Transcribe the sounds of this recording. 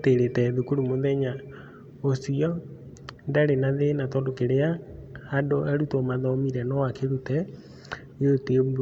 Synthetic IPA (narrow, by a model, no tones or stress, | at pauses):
teɾetɛðukuɾumoðɛɲa | osiɔ | ndaɾenaðenatɔndokeɾeaː | doɛɾutɔmaðɔmiɾɛnɔwakeɾutɛ | ote